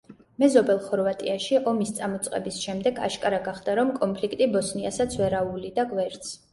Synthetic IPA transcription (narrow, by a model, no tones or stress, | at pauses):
mɛzɔbɛlˠχɔɾvat̪ʼiaʃiʔɔmist̪sʼamɔt̪sʼqʼɛ̰bisʃɛmd̪ɛɡa̰ʃkʼaɾaɡaχd̪aɾɔmkʼɔmpʰlik̚ʰt̪ʼibɔsniasat̪sʰvɛɾaulid̪aɡvɛɾt̪sʰ